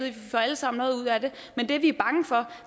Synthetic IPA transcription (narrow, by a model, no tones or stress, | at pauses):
ð̩̰ˠfɒæləsɑ̈m̰nɔ̽ːðˠuð̰ˠæd̥e̝ | mend̥e̝ʋiæɐb̥ɑ̈ŋəfɒ̽